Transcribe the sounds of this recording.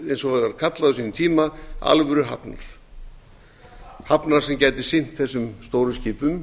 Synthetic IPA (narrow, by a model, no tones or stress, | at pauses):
ɛnsɔvɛɣaɾkʰat̪laðʏsiːnʏmt̪ʰiːmaa̰lvʏɾʏɦa̰pna̰ɾ̥ | hapnaɾ̥sɛmcaːjt̪ɪ̥sɪn̥t̪θɛsːʏmst̪owɾʏsciːpʏm